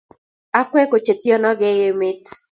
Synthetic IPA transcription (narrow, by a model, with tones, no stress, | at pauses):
a˦kwɛ˦ko˨t͡ʃe˨t̪i˦ɔ˦nɔ˦ɡɛ˦je˨me˦t̪